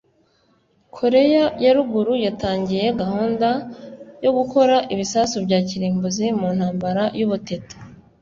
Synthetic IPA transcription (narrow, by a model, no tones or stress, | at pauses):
kʰo̞ɾe̞jajaɾuɡuɾujataːɲɟije̞ɡahuːndajo̞ɡuko̞ɾaʔiβisasubjɟaːciɾiːmbuzimun̥haːmbaɾajuβutetu̥